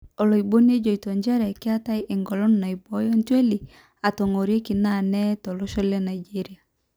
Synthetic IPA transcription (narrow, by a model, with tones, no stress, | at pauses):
ɔ˨lo˨i˨bo˦n˦e˦d͡ʒo˨i˨to˨ɲd͡ʒɛ˦ɾɛ˨kɪ˦a˦ta˦jʔɪ˨ŋɡɔ˨lɔ˦nna˨i˨bɔ˦jɔ˦ntwe˦li˨ | a˨to˨ŋo˨ɾje˦ki˨na˦˨nɛ˦tɔ˨lɔ˦ʃɔ˦lɛ˦na˨id͡ʒi˦ɾi˦a˨